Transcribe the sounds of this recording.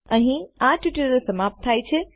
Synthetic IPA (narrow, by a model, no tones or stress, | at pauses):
əɦĩaʈjuʈiɾəlsəmap̚t̪ʰajt͡ʃʰɛ